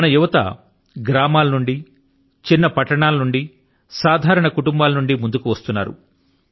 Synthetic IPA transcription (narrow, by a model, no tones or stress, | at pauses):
ɐnɐjuʋɐt̪ɐ̰ | ɡɾaːmaːlɐnuɳɖi | t͡ʃinːɐpɐʈːɐɳaːlɐnuɳɖi | saːd̪ʱaːɾɐɳɐkuʈumbaːlɐnuɳɖimund̪ukuʋɐst̪unːa̰ːɾṵ